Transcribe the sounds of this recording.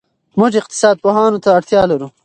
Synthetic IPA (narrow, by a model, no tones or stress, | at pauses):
mʊʒɪq̚t̪ɪ̥sɑːd̪̚poɦɑːnot̪aːɽt̪jɑːlaɾu